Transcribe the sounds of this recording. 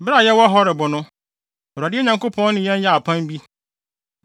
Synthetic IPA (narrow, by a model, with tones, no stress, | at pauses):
bɾa˦˨jɛ˦wɔ˦ɦɔ˦ɾɪ˨bʊ˨nʊ̃˦˨ | a˨dɪ˦ɛ˦ɲã˨ŋko˦pʰɔ̃˦n˦nɪ̃˦jɛ̃˦n˦ja˦˨a˨pʰã˦m˦bi˦